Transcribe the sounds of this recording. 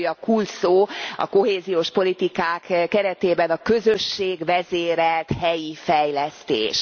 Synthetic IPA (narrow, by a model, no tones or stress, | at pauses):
jɒkuːlsoːɒ̰ko̞ɦeːzijoːʃpo̞lit̪ikaːkkɛɾɛt̪eːbɛnɒkø̞zøʃːeːɡʋɛzeːɾɛlt̪hɛjifɛjlɛst̪ḛːʃ